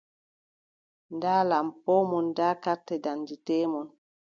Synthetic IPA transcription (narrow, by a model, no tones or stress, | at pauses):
ndaːlampɔmɔndakatːɛdanditemɔn